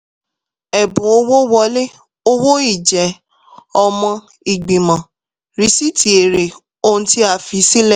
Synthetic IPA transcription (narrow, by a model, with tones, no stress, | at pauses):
ɛ˨bũ˨˦o˧wo˦wɔ˧˦le˦ | o˦wo˦i˦˨d͡ʒɛ˨˦ | ɔ˧mɔ̃˧ | i˨ɡ͡bi˨mã˨ | ɾi˧˦si˦ti˨e˨ɾe˨ | o˦ñ̩˦ti˦a˦˨fi˧˦si˦lɛ˦˨